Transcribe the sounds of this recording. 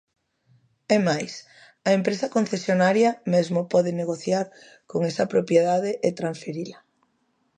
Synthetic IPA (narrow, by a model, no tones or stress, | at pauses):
ɛmajs | ɐempɾesɐkon̟θesjonaɾjamezmopɔðeneɣ̞oθjaɾ | koŋesɐpɾopjeð̞aðeʔet̪ɾansfeɾila